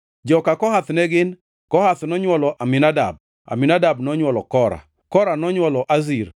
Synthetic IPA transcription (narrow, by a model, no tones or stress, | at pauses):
d͡ʒɔkakɔhat̪nɛɡɪn | kɔhat̪nɔɲwɔlɔʔamɪnada̰b̚ | a̰mɪnadabnɔɲwɔlɔkɔɾa̰ | kɔɾanɔɲwɔlɔʔazir